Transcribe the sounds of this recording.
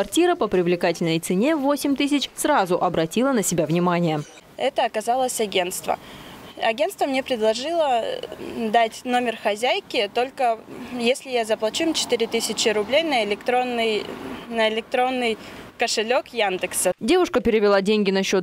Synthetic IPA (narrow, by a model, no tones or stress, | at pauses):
kvɐrtʲiɾəpəpɾʲɪvlʲɪkatʲɪlʲnəjt̪sɨnʲe̞vo̞sʲɪmʲt̪ɨs̬ʲɪt͡ɕsrazʊʔɐbɾɐtʲilˠənəsʲɪbʲavnʲɪmanʲɪjə | ɛt̪əɐkɐzalˠəsʲɐɡʲe̞nt̪st̪və̰ɐɡʲenst̪vəmnʲepɾʲɪd̪lˠɐʐɨlˠə | d̪atʲno̞mʲɪrxɐzʲæjkʲɪt̪o̞lʲkəjesʲlʲɪjazəplˠɐt͡ɕimt͡ɕɪ̥t̪ɨɾʲɪt̪ɨsʲɪt͡ɕɪɾʊblʲejnəɪlʲɪkt̪ɾo̞nːɨjnəɪlʲɪk̚t̪ɾo̞nːɨjkəʂɨlʲo̞kjand̪ɨksədʲe̞vʊʂkəpʲɪɾʲɪvʲɪlˠadʲenʲɡʲɪnɐɕːo̞t̪